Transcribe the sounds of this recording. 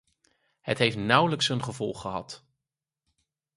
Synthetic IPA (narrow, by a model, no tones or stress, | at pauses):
hətɦejftnʌwləksɦɵnχəvɔlˠχəɦɑ̰t